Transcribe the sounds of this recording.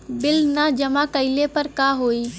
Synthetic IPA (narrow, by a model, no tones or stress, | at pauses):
bɪlnad͡ʒəmakəɪlepəɾkaɦoi